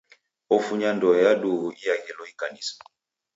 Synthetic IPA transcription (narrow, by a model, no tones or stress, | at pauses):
ɔfuɲandɔjaɗuɣuʔijaɡɛlɔikanisḁ